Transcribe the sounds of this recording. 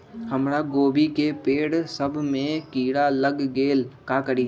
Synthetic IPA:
həmɾaɡoːbʱikepeːɽsəbʱmẽkiːɽaləɡːeːlkakəɾi

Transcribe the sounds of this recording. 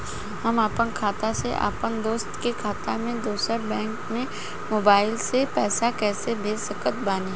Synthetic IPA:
ɦɐmaːpənkʰaːt̪aseʔa̰ːpənd̪oːst̪kekʰaːt̪amẽd̪oːsəɾbɛ̃ːŋkmẽ | moːbaːɪlsepɛːsakɛːsebʱeːsəkət̪̚baːne

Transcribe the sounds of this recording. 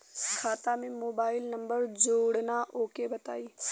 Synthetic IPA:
kʰaːt̪amẽmoːbaːɪlnɐ̃mbəɾd͡ʒoːɽnaʔoːkebɐt̪a̰ːiː

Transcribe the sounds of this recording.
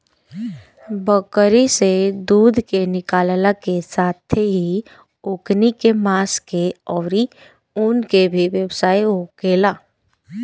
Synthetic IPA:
bəkəɾised̪uːd̪ʱkenɪkaːllakesaːt̪ʰeɦi | ʊknikemaːskeɔːɾi | ʊnkebʱiʋjəwsaːiɦokeːlaː

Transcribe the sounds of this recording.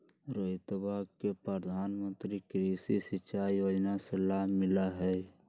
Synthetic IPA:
ɾəɪt̪baɡkepɾəɾəd̪ʱaːnmə̃nt̪ɾikɾisisɪt͡ʃaːjoːd͡ʒnaselaːbʱmɪlaɦɛ

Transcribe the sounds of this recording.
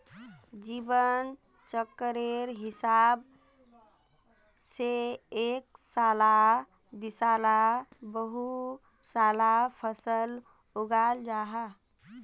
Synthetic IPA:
d͡ʒiːbən | t͡ʃəkːɾeɾɦɪsab | seeksala | d̪isalabəɦu | salapʰəsəl | uɡald͡ʒaːɦa

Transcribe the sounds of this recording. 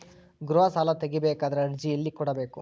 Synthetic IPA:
ɡɾuʋɐsaːlɐt̪eɡibeːkaːd̪ɐɾeɐɽd͡ʒijɐlːikɔɽɐbeːku

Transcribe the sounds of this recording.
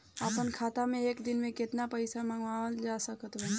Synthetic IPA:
əpənkʰaːt̪amẽeːkd̪ɪnmẽkɪt̪napəɪsamãŋɡʋald͡ʒasəkət̪bə

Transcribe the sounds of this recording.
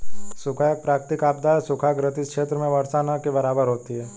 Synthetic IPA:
sʊkʰajək̚pɾaːkt̪ɪkaːp̚d̪aːsʊkʰaɡɾət̪ɪskʃeːt̪ɾəmẽʋəɾsaːnakebɐɾaːbəɾɦoːt̪iɦɛː

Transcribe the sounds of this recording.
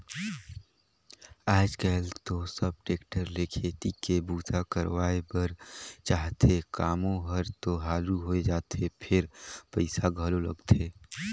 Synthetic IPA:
aːd͡ʒkəɦlt̪osəb̚ʈeːkʈəɾlekʰeːt̪ikebuːt̪ʰakəɾwaːebəɾt͡ʃaːɦt̪ʰekaːmõɦəɾt̪oɦaːluɦoed͡ʒaːt̪ʰepʰɪɾpəɪsaɡʱəlolə̰ɡt̪ʰeː

